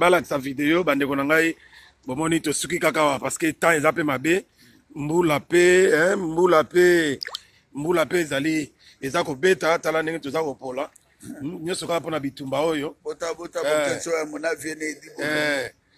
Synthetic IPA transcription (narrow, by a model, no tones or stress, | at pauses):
balakisavideobandekonaŋɡai | bomɔnitosuk̬ikakawapasketãezapemabe | mbulapeɛmbulape | mbulapeezali | ezakobetatalandeŋɡetozakopola | ɲɔ̃sokaaponabitumbaojobotabotaoesoamonavjenediɛ